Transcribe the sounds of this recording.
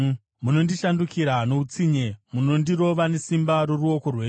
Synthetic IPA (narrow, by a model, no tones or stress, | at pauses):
muno̞ndiʃandukiɾano̞ut͡siɲemuno̞ndiɾo̞ʋane̞simbaɾo̞ruo̞ko̞rweː